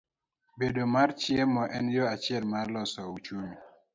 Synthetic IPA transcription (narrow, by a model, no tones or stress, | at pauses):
bedomaɾt͡ʃiemɔʔɛnjɔat͡ʃɪɛlmaɾlɔsɔut͡ʃomi